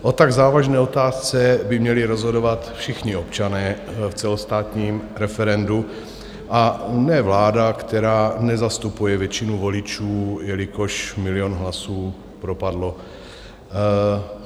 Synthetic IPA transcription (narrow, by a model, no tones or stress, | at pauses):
ʔo̞t̪aɡzaːvaʒnɛːo̞t̪aːst͡sɛbɪmɲɛlɪɾo̞zɦo̞do̞vat̪fʃɪxɲɪopt͡ʃanɛːft͡sɛlost̪aːt̪ɲiːmɾɛfɛɾɛndu | ʔanɛvlaːdakt̪ɛɾaːnɛzast̪upujɛvjɛt͡ʃɪnuvo̞lɪt͡ʃuːjɛlɪkoʃmɪlɪjonɦlasuː | pɾo̞padlo̞